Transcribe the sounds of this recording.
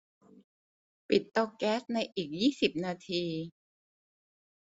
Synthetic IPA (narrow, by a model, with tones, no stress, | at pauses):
pi˨˩t̪ːɔ˧kɛː˦˥sna˧jʔiː˨˩k̚jiː˥˩si˨˩p̚naː˧t̪ʰiː˧